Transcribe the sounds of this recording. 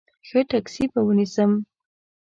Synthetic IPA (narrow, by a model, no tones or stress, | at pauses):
xəʈaksipawənisəm